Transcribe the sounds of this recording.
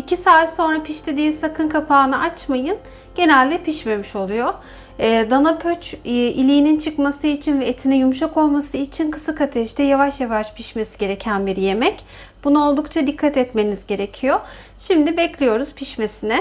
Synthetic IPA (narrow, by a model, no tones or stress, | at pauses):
icʰisaːt̪so̞nɾapʰiʃt̪ʰed̪iːnsakʰɯnkʰapʰaːnɯʔat͡ʃmajɯn | ɟ̥e̞nælʲd̪ɛpiʃme̞miʃo̞lˠujoː | d̪anapʰøt͡ʃʔilʲijːnint͡ʃʰɯkmasɯit͡ʃʰinvɛet̪ʰinɛjumʃ̬ako̞lˠmasɯit͡ʃʰinkʰɯ̥sɯkat̪ʰɛʃt̪ʰɛjavaʃjavaʃpʰiʃme̞siɟe̞ɾe̞cʰænbiɾje̞mɛc | b̥unuo̞lˠd̪ukt͡ʃʰad̪ikʰːat̪ɛt̪me̞nizɟe̞ɾe̞cʰijo | ʃimd̪ibɛclʲijo̞ɾuz̥pʰiʃme̞sinɛ